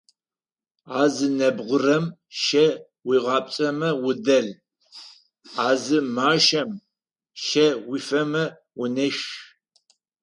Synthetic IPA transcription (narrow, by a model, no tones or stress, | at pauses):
aːzɨnɐbʁʷʊrɐmʃɐ | wiːʁɑːpʼt͡sʼɐmɐwʊdɐɮ | aːzɨmaːʃɐm | ʃɐwifɐmɐ | wʊnɨʃ